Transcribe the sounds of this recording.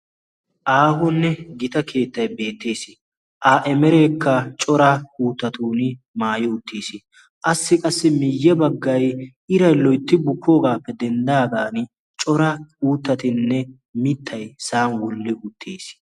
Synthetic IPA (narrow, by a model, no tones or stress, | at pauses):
ʔaːhɔnːɛɡɪt̪ɐkʰe̞ːt̪ːɐjbe̞ːt̪ːe̞ːsɪ | ʔaːʔɛmɛɾeːkːɐt͡ʃʼɔɾauːt̪ːɐt̪uːnɪ | maːjɪʊt̪ːeːsɪ | ʔɐsːɪkʼɐsːɪmɪjːɛbɐɡːɐjʔɪɾɐjlɔjt̪ːɪbʊkʰːo̞ːɡaːpːɛd̪ɛnd̪aːd̪aːnɪ | t͡ʃʼɔɾɐuːt̪ːɐt̪ɪnːɛ | mɪt̪ʰːɐjsaːnwɔlːɪʔʊt̪ʰːeːs